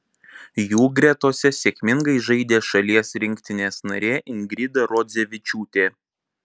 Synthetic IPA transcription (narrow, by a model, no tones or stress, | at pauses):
juːɡɾʲɛt̪oːsʲɛsʲeːkʲmʲɪŋɡɐɪʒɐɪd̪ʲeːʃɐlʲiɛsɾʲɪŋʲkʲt̪ʲɪnʲeːsnɐɾʲeːʔɪnɡɾʲɪd̪ɐɾɔd̪zʲɛʋʲɪt͡ʃʲuːt̪ʲeː